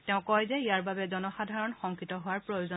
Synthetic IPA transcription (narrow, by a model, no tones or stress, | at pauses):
tɛʊ̃kɔjzɛijaɹbabɛzɔnɔxadʱaɹɔnxɔŋkɹitɔɦʊwaɹpɹojuzɔ